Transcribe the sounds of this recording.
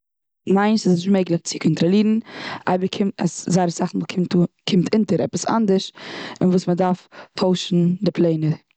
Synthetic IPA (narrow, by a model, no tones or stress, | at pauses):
maɪnsɪsɪʃmeɪɡlˠɪχt͡sɪkʰɔntɾɔlˠiːɾn̩a̰ɪbəkʰɪmta̰szaɪɾəsaχn̩vukʰɪkʰɪmtʰɪntəɾɛ̰pəsa̰ndəɾʃɪnvuːsmədaɾftʰoʊʃn̩dɪplˠeɪnə